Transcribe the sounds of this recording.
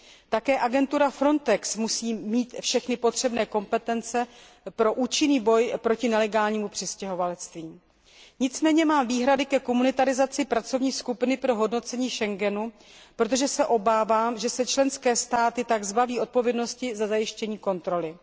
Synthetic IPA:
t̪akɛːʔaɡɛnt̪uɾafɾo̞nt̪ɛksmusiːmiːt̪fʃɛxnɪpo̞t̪r̝̥ɛbnɛːko̞mpɛt̪ɛnt͡sɛ | pɾo̞ʔuːt͡ʃɪniːbo̞jpɾo̞cɪnɛlɛɡaːlɲiːmupr̝̥ɪscɛɦo̞valɛt͡st̪viː | ɲɪt͡smɛːɲɛmaːmviːɦɾadɪkɛko̞munɪt̪aɾɪzat͡sɪpɾat͡so̞vɲiːskupɪnɪpɾo̞ɦo̞dno̞t͡sɛɲiːʃɛŋɡɛnu | pɾot̪̬o̞ʒɛsɛʔo̞baːvaːmʒɛsɛt͡ʃlɛnskɛːst̪aːt̪ɪt̪aɡzbaviːʔo̞t̪̚po̞vjɛdno̞scɪzazajɪʃcɛɲiːko̞nt̪ɾo̞lɪ

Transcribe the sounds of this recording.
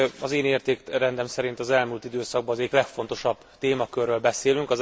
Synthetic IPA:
ɒzeːneːrt̪eːkrɛnd̪ɛmsɛɾint̪ɒzɛlmuːlt̪id̪øːsɒɡ̚bɒnːzɛɟiklɛkfo̞nt̪o̞ʃɒb̥ | t̪eːmɒkørːøːlbɛseːlyŋkɒz

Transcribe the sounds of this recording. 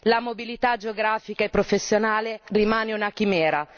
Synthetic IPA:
lamobilit̪ad͡ʒeoɡɾaːfikaepːɾofesːjonaːlerimaːneunak̟imɛːɾa

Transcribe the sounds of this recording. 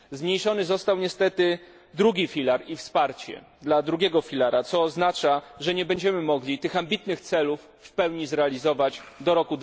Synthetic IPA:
zmɲejʂɔnɘzɔst̪awɲɛst̪ɛt̪ɘ | d̪ɾuɡʲifʲilaɾifspaɾt͡ɕɛ̰ | d̪lad̪ɾuɡʲɛɡɔfʲilaɾat̪sɔːznat͡ʂaʐɛɲɛbɛɲd͡ʑɛmɘmɔɡlʲit̪ɘxambʲit̪nɘxt̪sɛlufːpɛwɲizɾɛalʲizɔvad͡ʑd̪ɔɾɔkud̪

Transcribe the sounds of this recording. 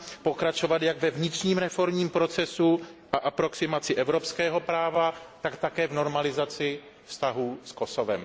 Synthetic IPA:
po̞kɾat͡ʃo̞vat̪jaɡvɛvɲɪt̪r̝̥ɲiːmɾɛfo̞ɾmɲiːmpɾo̞t͡sɛsuʔaʔapɾo̞ksɪmat͡sɪʔɛvɾo̞pskɛːɦo̞pɾaːvat̪akt̪akɛːvno̞ɾmalɪzat͡sɪ | fst̪aɦuːsko̞sovɛ̰m

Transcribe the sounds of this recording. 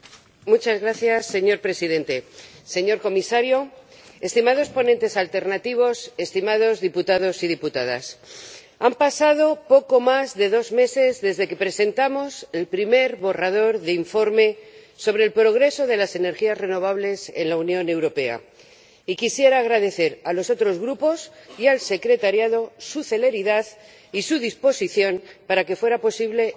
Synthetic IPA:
mut͡ʃazɣɾaθjasːe̞ɲo̞ɾpɾe̞siðe̞nt̪e̞se̞ɲo̞ɾko̞misaɾjo̞ | e̞st̪imað̞o̞spo̞nent̪e̞salt̪e̞ɾnat̪iβ̞o̞se̞st̪imað̞o̞zðiput̪að̞o̞sið̞iput̪að̞a̰s | ampasað̞o̞po̞ko̞mazðe̞ðo̞zme̞se̞zðe̞zðe̞ke̞pɾe̞se̞nt̪amo̞se̞lpɾime̞ɾβo̞rað̞o̞ɾðeiɱfo̞ɾme̞ | so̞β̞ɾeːlpɾo̞ɣ̞ɾe̞so̞ðe̞lase̞ne̞ɾxiazre̞no̞β̞aβle̞se̞̰nlaunjõ̞ne̞wɾo̞pe̞a̰ | ikisje̞ɾaːɣ̞ɾaðe̞θe̞ɾalo̞so̞t̪ɾo̞zɣɾupo̞sialse̞kɾe̞t̪aɾjaðo̞suθe̞le̞ɾiðað | isuð̞ispo̞siθjo̞npaɾake̞fwe̞ɾapo̞siβle̞

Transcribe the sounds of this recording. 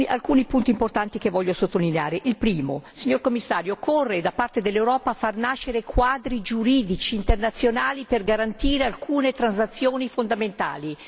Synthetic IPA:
iʔalkuːnipunt̪iːmport̪ant̪ikevɔʎːosot̪ːolineaːɾeʔilpɾiːmo̰siɲːorkomːisːaːɾjoːkʰorːed̪apart̪ed̪elːewɾɔːpaːfarnaʃːeɾekʰwaːd̪ɾid͡ʒuɾiːd̪it͡ʃiːnt̪ernat̪sːjonaːliperɡaɾant̪iːɾealkʰuːnet̪ɾanzat̪sːjoːnifond̪ament̪a̰ːli

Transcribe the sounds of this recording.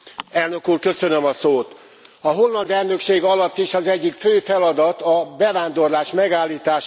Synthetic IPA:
ɛlnø̞kuːrkø̞sønømɒsoːt̪ | ɒɦo̞lːɒnd̪ɛlnøkʃeːɡɒlɒt̪ːiʃɒzɛɟːikføːfɛlɒd̪ɒt̪ɒbɛvaːnd̪o̞rlaːʃmɛɡaːlːiːt̪aːʃ

